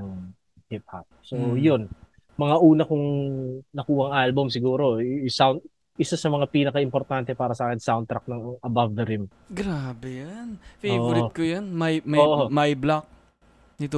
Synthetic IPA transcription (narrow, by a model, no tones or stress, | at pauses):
ɐŋ | hɪp̚ha̰t̪̚sojon | mɐŋaʔuːnɐkʊŋnɐkuːhɐŋʔalbʊmsɪɡuːɾo̞sawnd̪ | ʔɪsasɐmɐŋapiːnɐkɐɪmpo̞ɾt̪ant̪ɛpaːɾɐsɐʔaːkɛnsawnt̪ɾɐk̚nɐŋʔɐbavd̪ɐɾɪm | ɡɾaːbɛjanfejːvʔoɾɪkojanmɐjmɐoːʔomɐjblak̚ | nɪt̪o